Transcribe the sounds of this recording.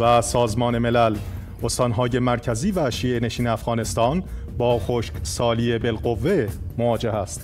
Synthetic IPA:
væsɒːzmɒːne̞me̞læl | o̞st̪ɒːnɦɒːje̞mæɾcʰæziːvæʃiːʔene̞ʃiːneæfɣɒːne̞st̪ɒːn | bɒːxoʃksɒːliːebe̞lɢo̞vːe̞mo̞vɒːd͡ʒe̞hæst̪

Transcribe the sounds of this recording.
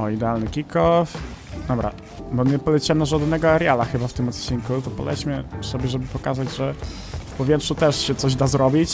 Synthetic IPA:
ɔid̪ɛalnɘkʲikɔfd̪ɔbɾa̰ | bɔɲɛpɔlɛt͡ɕiɛmnaʐad̪nɛɡɔaɾjalaxɘbaft̪ɘmɔt̪t͡ɕiŋkut̪ɔpɔ̰lɛt͡ɕmʲɛsɔbʲjɛʐɛbɘpɔkazad͡ʑʐɛ | fpɔvjɛtʂut̪ɛʂɕɛt̪sɔʑd̪azɾɔbʲit͡ɕ

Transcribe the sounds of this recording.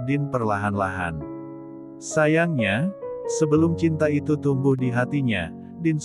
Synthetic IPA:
dɪnpərlaɦanla̰ɦa̰n | sajaŋɲasəbəlʊmt͡ʃint̪ait̪ut̪umbʊhdiɦat̪iɲa | dɪns

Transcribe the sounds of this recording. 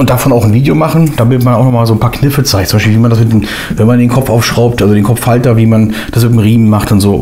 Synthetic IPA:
ʔʊnt̚d̥afɔnaʊxn̩viːdejomaχn̩d̥aːbɪtmanaʊxnɔχmaːlzoːnpʰaːɐkʰnɪfət͡saɪçtt͡sʊmbaɪʃpilviːmandasmɪtm | vɛnmandeːnkʰɔpfʔaʊfʃʁ̥aʊp̚tʔalzodeːnkʰɔp͡ffːaltɐviːmand̥asmɪt̬emʁiːmmaχtʊntz̥oː

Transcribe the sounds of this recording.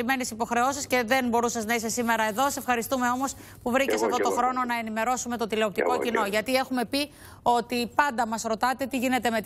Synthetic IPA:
ime̞nesipo̞xɾe̞o̞sisce̞ðe̞nbo̞ɾusɐznɐise̞sime̞ɾɐe̞ðo̞ssefxɐɾist̪ume̞o̞mo̞s | puvɾice̞sɐft̪o̞t̪o̞xɾo̞no̞nɐe̞nime̞ɾo̞sume̞t̪ot̪ile̞o̞p̚t̪iko̞cinoʝɐt̪ie̞xume̞pi | o̞t̪ipɐnd̪ɐmɐsɾo̞t̪ɐt̪e̞t̪iʝine̞t̪e̞met̪

